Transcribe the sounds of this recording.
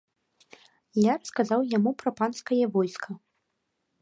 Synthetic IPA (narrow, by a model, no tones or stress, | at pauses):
jaɾɐskazawjamupɾɐpanskɐjɐvɔjskʰɐ